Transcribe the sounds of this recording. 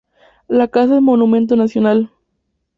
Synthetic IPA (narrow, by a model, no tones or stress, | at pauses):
lakasaemonũmẽnt̪̬onasjonal